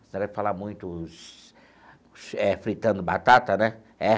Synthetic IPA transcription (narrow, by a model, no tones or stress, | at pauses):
sñd̪ɛvɪfalamũj̃t̪ʊs | ɛfɾit̪ɐ̃nd̪ʊbat̪at̪ɐnɛ | ɛ